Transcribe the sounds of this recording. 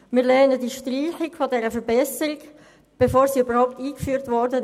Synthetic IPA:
mɪːlɛːnədiʃtriːxɪɡfodɛɾəfəɾbɛsəɾɪɡ | b̥efoːɾsiːybəɾʁhaʊp̚tiːkfyːɾtvɔɾdə

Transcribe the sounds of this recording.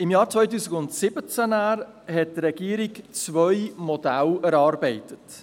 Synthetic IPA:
ɪmjɑːɾt͡svœjtuːsɪɡʊntsɪbət͡sænæɾ | hɛt̚tɾɛɡ̥iːəɾikt͡svœjmɔdælɛɾɑːɾbɛɪtət

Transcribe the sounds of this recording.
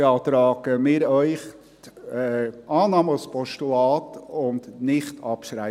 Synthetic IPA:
ɑːt̪ɾɑːɡəmɪɾœʏχ | tɛʔɑːnɑːməspɔʃtulɑːtʊndnɪχtʰɑpʃɾæɪ

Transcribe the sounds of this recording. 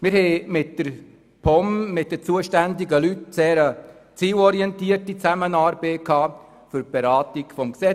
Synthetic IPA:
mɪɾhɛɪmɪtd̥əɾ | pʰɔmmɪt̚dət͡suəʃtændiɡəlytt͡sɛːɾət͡siːlɔɾiɛntiərtit͡sæmənɑːɾbeːkʰːɑː | fʏɾb̥eɾɑːtiɡfɔmksɛt͡s

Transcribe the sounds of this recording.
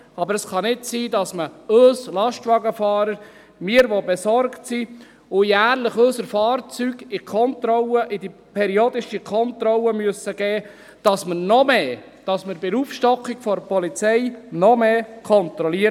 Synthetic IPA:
ɑbəɾəsχɑnɪtsiːdɑsməøːslɑʃtʋɑɡəfɑːɾəɾ | mɪːɾʋobɛsɔɾktsi | ʊjæːɾləχøsəɾfɑːrt͡syɡɪkʰɔntɾɔlːəʔɪdipʰɛɾioːd̪ɪʃikʰɔntɾɔlːəmyəsəɡ̥ɛː | d̥ɑsmənɔmeː | d̥ɑsməɾbɪɾuːfʃtɔkːɪɡ̥fɔɾpɔlit͡sɛjnɔmeːkʰɔnt̪ɾɔliə

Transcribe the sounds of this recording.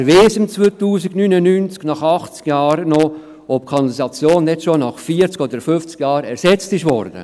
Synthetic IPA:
ʋeːsəmt͡svoːt̪uːsɪɡnynənyːnt͡sknɑχɑχt͡skjɑːɾnɔ | ɔpkʰɑnlisɑt͡sjoːndɛtʃonɑχfiːət͡skɔd̪əɾfʏft͡sɡjɑːɾɛɾsɛt͡stɪʃvɔɾd̥̪ə̰

